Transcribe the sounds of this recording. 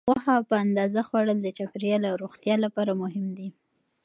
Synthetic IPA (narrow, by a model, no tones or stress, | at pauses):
ɣwahapəand̪ɑzaxwaɽəld̪ət͡ʃapɾijɑlaɾoɣt̪jɑlapɑɾamʊɦɪmd̪i